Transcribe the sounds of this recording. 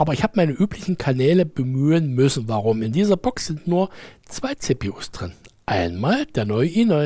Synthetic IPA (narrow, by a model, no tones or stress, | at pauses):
ʔaːbɐɪçhaːbəmaɪnəʔyːplɪçn̩kʰanɛːləbəmyːənmʏsn̩vaʁʊmɪndiːzɐbɔksz̥ɪntnuːɐt͡sv̥aɪt͡sepiusd̥ʁɪnʔaɪnmaːld̥eːɐnɔʏəʔinɔ